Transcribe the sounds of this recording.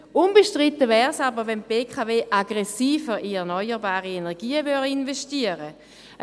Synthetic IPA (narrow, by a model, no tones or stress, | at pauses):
unbəʃtʁit̪ːəvɛːʁsabəʁʋɛnpeːkʰaveːʔaɡʁɛsiːfəʁiɛʁnɔʏəʁbaːʁienɛʁɡiːəvøʁinveʃtiəʁə